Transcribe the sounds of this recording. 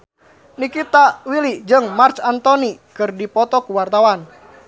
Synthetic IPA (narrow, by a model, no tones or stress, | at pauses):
nikit̪awilid͡ʒɨŋmart͡ʃant̪ɔnikɨrdipɔt̪ɔkuwart̪awan